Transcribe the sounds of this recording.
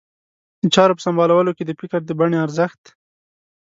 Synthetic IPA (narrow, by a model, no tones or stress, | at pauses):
d̪ət͡ʃɑɾopə̥sambɑlawəloked̪əpɪkaɾd̪əbaɳeaɾzəxt̪